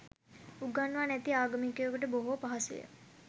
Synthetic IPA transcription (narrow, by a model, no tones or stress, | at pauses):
uɡanʋanæt̪iaːɡamikəjokuʈəboɦopaɦasṵjə̰